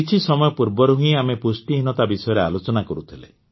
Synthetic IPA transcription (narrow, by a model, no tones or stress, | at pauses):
it͡ʃʰisɔmɔjɔpuɾbɔɾuɦũĩamepusʈiɦinɔt̪abisɔjɔɾealot͡ʃɔnakɔɾut̪ʰilḛ